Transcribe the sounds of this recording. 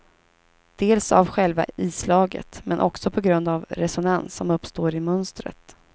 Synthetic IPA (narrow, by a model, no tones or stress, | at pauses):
d̪̥eːlsa̰vɧɛlva̰iːslɑːɡə̰t̪mɛnʔɔksɔpʰɔɡɾɵnd̪avɾɛsɔnansːɔmɵpːst̪oːɾɪmɵnst̪ɾə̰t̪